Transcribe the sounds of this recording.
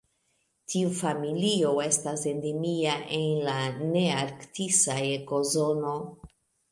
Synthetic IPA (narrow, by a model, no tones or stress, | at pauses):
tʰiufamilio̞e̞stasendemiaʔe̞nlane̞aɾktisajko̞zo̞no̞